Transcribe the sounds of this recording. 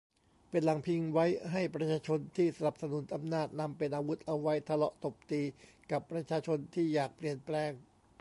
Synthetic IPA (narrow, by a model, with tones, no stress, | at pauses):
pe˧nla˩˦ŋpʰi˧ŋwa˦˥jɦa˥˩jpɾa˧t͡ɕʰaː˧t͡ɕʰo˧nt̪ʰiː˥˩sa˧na˨˩p̚sa˧nu˩˦nʔa˧mnaː˥˩t̪̚na˧mpe˧nʔaː˧wu˦˥t̪̚ʔa˧wa˦˥jt̪ʰa˧lɔ˦˥ʔt̪o˨˩p̚t̪iː˧ | ka˨˩pːɾa˧t͡ɕʰaː˧t͡ɕʰo˧nt̪ʰiː˥˩jaː˨˩k̚pli˨˩ənplɛː˧ŋ